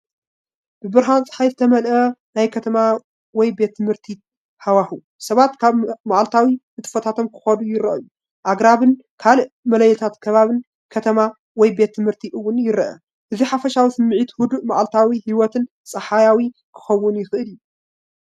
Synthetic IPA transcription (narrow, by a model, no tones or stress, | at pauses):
b̥ɨbɨɾɦant͡sʼɨ̥ħajzɨt̪ʰɐmɐlʔɐnajkʰɐt̪ʰɐma | wɔjbe̞t̪ʰːɨmhɨɾt̪ʰi | hawahu | sɐβat̪kʰaβmaʕalt̪ʰawi | ɨt̪ʰɨfɐt̪ʰat̪ʰomkʰɨ̥xɐd̪ujɪɾɐ̰ʔju | ʔaɡɾaβɨn | kʰalɨʔ | mɐlɐjɛt̪ʰat̪kʰɐβaβɨn | kʰɐt̪ʰɐma | wɔjbe̞t̪ʰːɨmhɨɾt̪ʰiʔɨwːʊnjɪɾɐʔɐ̰ | ʔɨziħafɐʃawisɨmːɨʕit̪hʊd̪uʔmaʕalt̪ʰawihiwɔt̪ʰɨn | sʼɐħajawi | kʰɨ̥xɐwːʊnjɪxɨʔɨlju